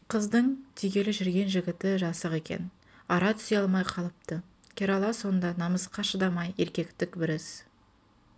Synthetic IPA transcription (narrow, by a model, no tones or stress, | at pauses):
qʰəzd̪əɴt̪ʰʏjɡʲe̞lɪʒʏɾɡʲe̞nʒɪɡʲɪt̪ɪʒɑsəqe̞kʲe̞̰n | ɑɾɑt̪ʰʏ̥seɑlˠmɑjqʰɑlˠəp̚t̪ə | kʲʰe̞ɾolˠɑso̞nd̪ɑnɑməsqɑʃəd̪ɑmɑje̞ɾkʲe̞kt̪ɪkbɪɾɪs